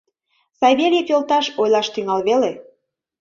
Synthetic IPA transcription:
sɑjβelʲepolt̪ɑʃojlɑʃt̪yŋɑlβele

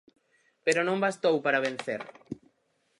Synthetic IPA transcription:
peɾonõmbast̪owpaɾaβ̞ẽnθḛɾ

